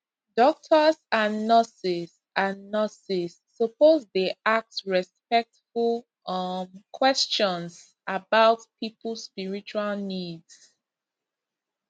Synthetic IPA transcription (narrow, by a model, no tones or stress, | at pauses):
dɔk̚tʰəsãnːɔsis | ãnːɔsisːəpozdeak̚tɹɛspɛk̚tful | ʌnkʰwɛst͡ʃɔ̃ns | abaʊtpʰipəl̩spiɹit͡ʃualnids